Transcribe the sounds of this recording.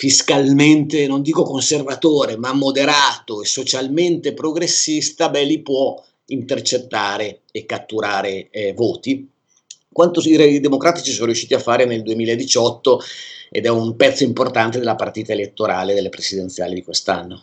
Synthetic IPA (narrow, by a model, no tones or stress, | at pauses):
fiskalment̪enond̪iːkokonservat̪oːɾemamːod̪eɾaːt̪oesot͡ʃalment̪epɾoɡɾesːist̪abɛlːipwɔ | int̪ert͡ʃet̪ːaːɾeː | kːat̪ːuɾaːɾevoːt̪i | kwant̪oiɾɛid̪emokɾaːt̪it͡ʃisoːnoɾjuʃːiːt̪iafːaːɾeneld̪uemiːlaed̪it͡ʃɔt̪ːoḛd̪ɛumpɛt̪sːoimport̪ant̪ed̪elapart̪iːt̪aelet̪ːoɾaːled̪elːepɾesid̪ent̪sja̰ːlid̪ikwest̪a̰nːo